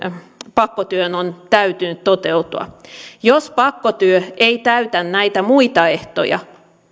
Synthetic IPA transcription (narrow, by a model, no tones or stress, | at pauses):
pɑkːot̪yønont̪æyt̪ynyt̪t̪ot̪eut̪uɑ̰jospɑkːot̪yøʔeit̪æyt̪ænnæit̪æmuit̪ɑeht̪o̰jɑ̰